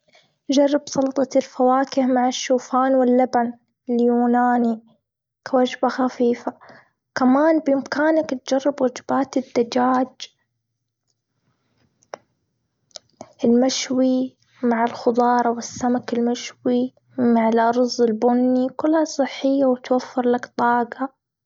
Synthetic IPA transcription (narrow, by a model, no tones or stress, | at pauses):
d͡ʒɑrˤːɪbsˤɑlt̪ˤɑlfawaːkɪhmaʕɪʃːuːfaːnwɪlːaban | ɪljuːnaːni | kawad͡ʒbaxafiːfa | kamaːnbʔɪmkaːnakt̪̚d͡ʒarˤːɪbwad͡ʒbaːt̪ɪd̪ːad͡ʒaːd͡ʒ | ʔɪlmaʃwi | maʕalxʊd̪ˤɑːɾˤɑwɪsːamakɪlmaʃwi | maʕalʔɑɾˤzˤːɪlbʊnːikʊlːhasˤɨħːɪjːawt̪wafːɪɾlakt̪ˤɑːɡɑ